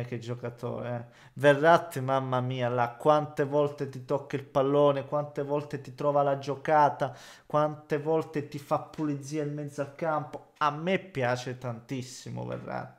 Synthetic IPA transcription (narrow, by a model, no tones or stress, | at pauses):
ɛk̟ːed͡ʒokat̪o̰ːɾeɛ | verːat̪ːimamːamiːalakːwant̪evɔlt̪et̪it̪okːailpalːoːnekwant̪evɔlt̪et̪it̪ɾɔːvalad͡ʒokaːt̪a | kwant̪evɔlt̪et̪ifapːuled̪zːiːailmɛd̪zalkampo | amːepːjaːt͡ʃet̪ant̪isːimo̰vḛrːa̰t̪ː